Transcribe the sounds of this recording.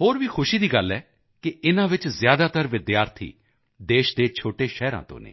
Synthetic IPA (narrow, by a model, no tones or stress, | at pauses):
ɦoːɾʋiːxʰʊʃiːd̪iːɡəlːɛː | kɪɪnãːʋɪt͡ʃzjaːd̪aːt̪əɾʋɪd̪jaːɾt̪ʰḭː | d̪eːʃd̪eːt͡ʃʰoːʈeːʃɛːɾã̰ːt̪õ̰ːnḛː